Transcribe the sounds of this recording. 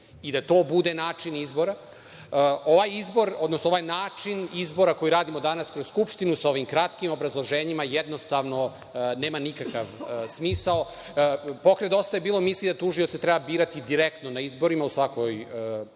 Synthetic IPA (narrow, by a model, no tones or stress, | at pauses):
id̪at̪o̞ːbud̪enaːt͡ʂinizbo̞ɾa | oʋajizbo̞ɾo̞d̪nosnoajnaːt͡ʂinizbo̞ɾako̞jiɾaːd̪imo̞d̪anaskɾosskupʃt̪inusao̞ʋimkɾat̪kimo̞bɾazlˠoʒeːɲimajɛd̪nost̪aʋno̞ | neːmanikakaʋsmiːsao | po̞kɾed̪o̞st̪ajebiːlˠomislˠid̪at̪uʒio̞t̪set̪ɾɛbabiːɾat̪id̪iɾekt̪nonaizbo̞ɾimausʋakoj